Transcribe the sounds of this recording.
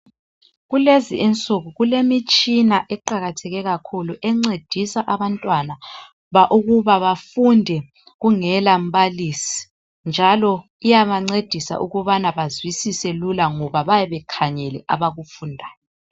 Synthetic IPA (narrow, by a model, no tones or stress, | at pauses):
ɣuleziːnt͡sʼuɣuɣulemit͡ʃʼinaʔɛǃaɣatʰɛɣɛɣakʰuluʔɛŋ͡ǀed̥ʱisaʔaβantʼwana | βaʔuɣuβaβafundʱɛ | ɣuŋɛlam̩βalisi̥ | nd͡ʒʱalɔ | ijaβaŋ͡ǀed̥ʱisa̰ʔuɣuβanaβazwisisɛlulaŋɔβaβajɛβɛkʰaɲɛlɛ̰ʔaβaɣufundʱaːjjɔ